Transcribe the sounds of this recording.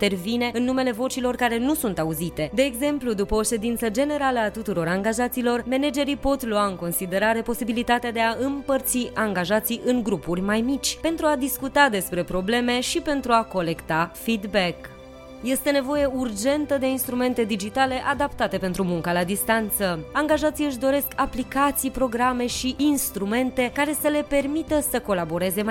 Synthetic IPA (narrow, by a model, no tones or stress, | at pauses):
t̪e̞rvine̞ɨnːume̞le̞vo̞t͡ʃilo̞rkaɾe̞nusunt̪auzit̪e̞d̪e̞ːɡze̞mplud̪upəoʃe̞d̪int̪səd͡ʒe̞ne̞ɾaləat̪ut̪uɾo̞ɾaŋɡaʒat̪silo̞rme̞ned͡ʒe̞ɾipo̞t̪luaɨŋko̞nsid̪e̞ɾaɾe̞po̞sibilit̪at̪ead̪e̞aɨmpərt̪siaŋɡaʒat̪siʔɨŋɡɾupurʲmajmit͡ʃʲpe̞nt̪ɾuad̪iskut̪ad̪e̞spɾe̞pɾo̞ble̞me̞ʃipe̞nt̪ɾuako̞le̞kt̪afid̪bek | je̞st̪e̞ne̞vo̞je̞urd͡ʒe̞nt̪əd̪e̞inst̪ɾume̞nt̪e̞d̪id͡ʒit̪ale̞ʔad̪apt̪at̪e̞pe̞nt̪ɾumuŋkalad̪ist̪ant̪səaŋɡaʒat̪sijɨʃ̬d̪o̞ɾe̞skaplikat̪sijpɾo̞ɡɾame̞ʃiinst̪ɾume̞nt̪e̞kaɾe̞səle̞pe̞rmit̪əsəko̞labo̞ɾe̞ze̞